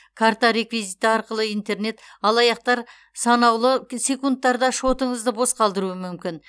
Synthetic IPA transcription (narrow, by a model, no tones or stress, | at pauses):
kʰaɾt̪aɾe̞kvizit̪əɑɾqəlˠəijnt̪e̞ɾne̞t̪ɑlˠɑjɑq̚t̪ɑɾ | sɑnɑwlˠəse̞kunt̪ːɑɾd̪ɑʃo̞t̪əɴəzd̪əbo̞sqʰɑlˠd̪əɾuəmʏmkʲɪn